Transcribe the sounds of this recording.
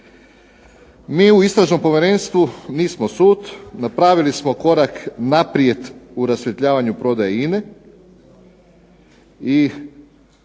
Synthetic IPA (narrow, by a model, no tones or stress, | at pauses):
miːuist̪ɾaʒno̞mpo̞ʋʲjeɾe̞nst̪ʋuniːsmosuːt̪napɾaːʋilismo̞ko̞ɾaknapɾijet̪uɾasjet̪ʎaːʋaɲupɾo̞d̪ajaine | i